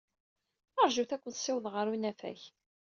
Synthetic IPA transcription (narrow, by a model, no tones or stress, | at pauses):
əɾˤʒuθækʷːənsɪwðʁəɾunæfæ̰ç